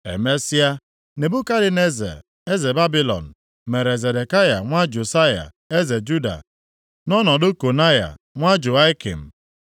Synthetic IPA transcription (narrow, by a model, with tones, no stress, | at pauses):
ḛ˨me˦si˦a˦ | ne˨bu˦ka˦ɾɪ˨ne˦zḛ˨ | e˦ze˨ba˦bi˦lɔ̰˨n̩˨ | me˨ɾe˨ze˨de˨ka˦ja˨ŋʷa˦d͡ʒu˨sa˦ja̰˨ | e˦ze˨d͡ʒu˦da̰˨ | nɔ˦nɔ˨dʊ˦ko˨na˦ja̰˨ | ŋʷa˦d͡ʒʊ˨a˦ɪ˦kḭ˨m̩˨